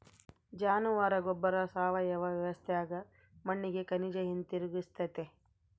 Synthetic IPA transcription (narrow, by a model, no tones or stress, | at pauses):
d͡ʒaːnuʋaːɾɐɡɔbːɐɾɐsaːʋɐjɐʋɐʋjɐʋɐst̪ʰejaːɡɐ | mɐɳːiɡekɐnid͡ʒɐjint̪iɾuɡist̪ɐt̪e